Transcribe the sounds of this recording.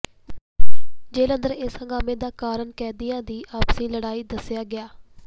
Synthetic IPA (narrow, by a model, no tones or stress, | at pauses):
d͡ʒeːlənd̪əɾɪːshə̃ŋɡaːmẽːd̪aːkaːɾəɳkɛːd̪ijãːd̪iːʔaːpsĩːləɽaːiːd̪əsɪjaːɡɪjaː